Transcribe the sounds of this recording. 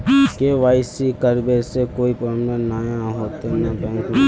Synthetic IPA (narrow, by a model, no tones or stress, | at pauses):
keʋaːɪsikəɾbesekoːipəmdənaːjãɦoːt̪enãbɛ̃ːŋk